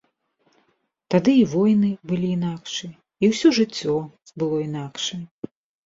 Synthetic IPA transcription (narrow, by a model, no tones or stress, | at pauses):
t̪ad̪ɨivɔjnɨbɨlʲiːnakʂɨ | iwsʲɔʐɨt͡sʲːɔbɨlˠɔinakʂɐ